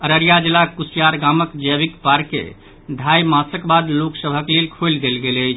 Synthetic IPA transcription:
əɾəɾjad͡ʒilakusijaɾɡaməkd͡ʒəbikpaɾkḛ | d̪ʱajmãsəkbad̪loksəbʱəklelkʰold̪elɡelət͡ʃʰ

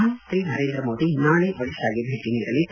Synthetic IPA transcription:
ɐʃɾiːnɐɾeːnd̪ɾɐmoːd̪inaːɭeʋɐɽiʃaːɡibʱeʈ̪ːinɐiɾɐlːi

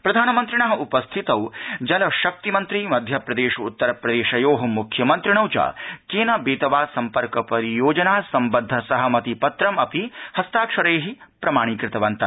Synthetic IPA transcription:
pɾɐd̪ʱaːnɐmɐnt̪ɾiɳɐɦɐupɐst̪ʰit̪ɐwd͡ʒɐlɐʃɐk̚t̪imɐnt̪ɾimɐd̪ʱjɐpɾɐd̪eːʃut̪ːɐɾɐpɾɐd̪eːʃɐjoːɦɐmukʰjɐmɐnt̪ɾiɳ̃ɐwt͡ʃɐ̰ːkeːnɐbeːt̪ɐʋaːsɐmpɐɾkɐpɐɾijoːd͡ʒɐnaːsɐmbɐd̪ʱːɐsɐɦɐmɐt̪ipɐt̪ɾɐmɐpihɐst̪aːkʂɐɾeːɦipɾɐmaːɽ̃ikɾɪt̪ɐʋɐnt̪ɐ

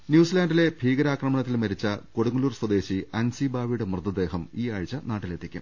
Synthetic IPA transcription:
njuːsilaːnɖile̞bʱiːɡɐɾaːkrɐmɐɳɐt̪ːilmɐɾit͡ɕːɐko̞ɽuŋuluːrswɐd̪e̞ːɕiɐnsibaːʋiɽɨmrɨd̪ɐd̪e̞ːɦɐmiːaːɻit͡ɕːɐnaːʈːile̞t̪ʰːikʲːṵm

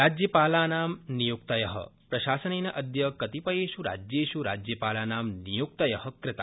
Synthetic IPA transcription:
ɾad͡ʒjəpaːlanaːmnijuk̚t̪ɐjɐɦə̰pɾɐʃaːsənenɐʔəd̪ʱjəkɐt̪ipəjeʃuɾa̰d͡ʒjeʃuɾa̰d͡ʒjəpalanamnijuk̚t̪əjɐhəkɾɪt̪a̰

